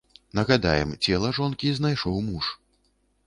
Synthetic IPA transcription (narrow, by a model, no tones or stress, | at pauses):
nɐɣad̪a̰jɛmt͡sʲɛlˠɐʐɔnkʲiznajʂɔwmuʂ